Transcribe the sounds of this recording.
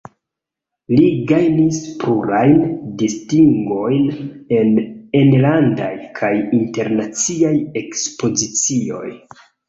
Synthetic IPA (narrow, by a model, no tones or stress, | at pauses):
liɡajnispuɾajndistiŋɡo̞jne̞nenlanda̰jkʰajinte̞ɾnat͡siaje̞kspo̞zit͡sio̞̰j